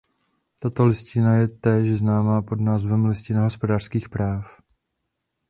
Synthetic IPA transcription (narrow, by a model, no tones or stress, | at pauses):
t̪at̪o̞lɪscɪnajɛt̪ɛːʃznaːmaːpo̞dnaːzvɛmlɪscɪnaɦospo̞daːr̥skiːxpɾaːf